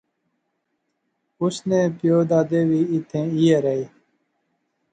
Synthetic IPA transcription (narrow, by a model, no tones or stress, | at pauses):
usnẽːpjoːd̪aːd̪eːwiːt̪ʰẽːijeɾei